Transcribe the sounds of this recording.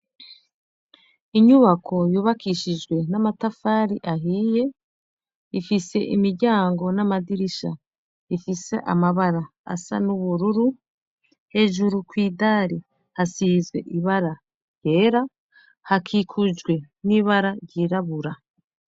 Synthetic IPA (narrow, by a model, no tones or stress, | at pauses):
iɲuβakʰo̞juːβakiʃid͡ʒɡwe̞namatafaːɾiʔaɦiːje̞ | ifise̞̰ʔimiɟaːŋɡo̞namadiɾiʃa | ifise̞̰ʔa̰maβaɾaa̰sa̰nuβuɾuɾu | he̞ːʒuɾukwiːdaːɾi | hasiːzwe̞̰ʔiβaɾa | ɾje̞ːɾa | hakʰikʰud͡ʒɡwe̞ | niːβaɾaɾɟiːɾaβuɾa